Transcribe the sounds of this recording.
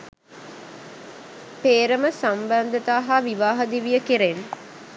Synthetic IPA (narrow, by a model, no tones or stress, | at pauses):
peːɾəməsamband̪ət̪aːɦaʋiʋaːɦəd̪iʋijəkiɾen